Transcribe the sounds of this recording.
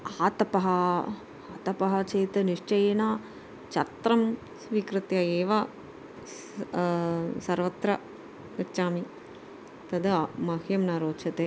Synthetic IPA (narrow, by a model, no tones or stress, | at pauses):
aːt̪ɐpɐɦɐ | aːt̪ɐpɐɦɐt͡ʃeːt̪ɐniʂt͡ʃɐjenaː | t͡ʃɐt̪ɾɐm | sʋiːkɾɨt̪jɐeːʋa | sɐɾʋɐt̪ɾɐ | ɐt͡ʃaːmi | t̪ɐd̪ɐmɐɦjɐmnaːɾoːt͡ʃʰɐt̪e